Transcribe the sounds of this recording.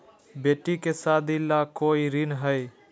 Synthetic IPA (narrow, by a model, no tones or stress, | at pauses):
beːʈːikesaːd̪ʱilakoːiɾɪnɦəj